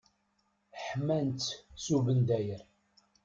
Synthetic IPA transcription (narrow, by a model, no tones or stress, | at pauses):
ħmænt̪suvənd̪æjəɾ